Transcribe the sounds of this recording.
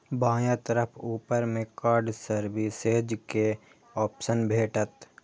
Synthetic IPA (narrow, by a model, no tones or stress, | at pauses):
bãːjãt̪əɾəpʰuːpəɾmẽkaːɾɖsəɾbiseːd͡ʒke | ɔːpʃənbʱeːʈət̪